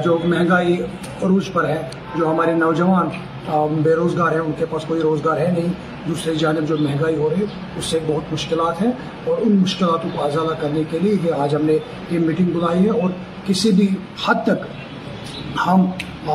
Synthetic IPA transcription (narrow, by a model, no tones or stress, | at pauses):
d͡ʒoːmɛ̃ɦɛ̃ŋɡaːi | ɾuːd͡ʒpɐɾɦɛ̃ | d͡ʒoːɦɐmaːɾenɐʋd͡ʒɐʋaːn | beːɾoːzɡaːɾɦɛ̃ʊnkepaːskoːiɾoːzɡaːɾɦɛnɐɦĩ | d̪uːsɾed͡ʒaːnɪbd͡ʒoːmɛɦɛ̃ŋɡaːiɦoɾɦɛ | ʊsːebɐɦʊt̪mʊʃkɪlaːt̪ɦɛ̃ | ɔːɾʊnmʊʃkɪlaːt̪õkozaːd̪akɐɾnekelieɦeaːd͡ʒɦɐmne | emːiːʈɪ̃ŋɡbʊlaːiɦɛ̃ɔːɾ | kɪsibʱi | hɐd̪̚t̪ɐk | hɐmː